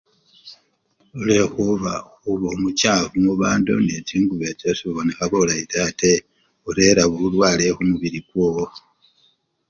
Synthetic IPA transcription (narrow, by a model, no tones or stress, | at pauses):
ulexuβa̰xuβoumucaːvumuβaːndo̰net͡siːŋɡuβet͡ʃasuβonixaβolaitate | uɾeɾaβuulwaːlehumuβiɾiɡwoːwo